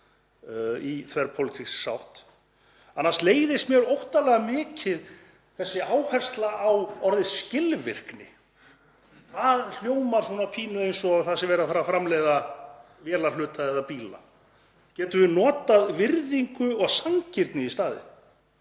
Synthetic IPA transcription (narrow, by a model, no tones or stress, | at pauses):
iθvɛɾ̥pʰowlɪt̪ʰisːawht̪ | anːaɾst̪leːjðɪst̪mjɛɾowht̪alɛɣamɪːcɪð | θɛsːɪʔaːwhɛr̥st̪laʔːwɔɾðɪsːcɪlvɪr̥knɪ̰ | θaðl̥joːwmaɾ̥suːnapʰiːnʏejnsɔɣaθasɪvɛːɾafaɾafɾamlɛːjða | vjɛːlalʏːt̪aɛðapiːla̰ | cɛːt̪ʏvɪnɔːt̪aðvɪɾðiŋkʏɔɣsaŋcɪɾt̪nɪist̪aːðɪ̰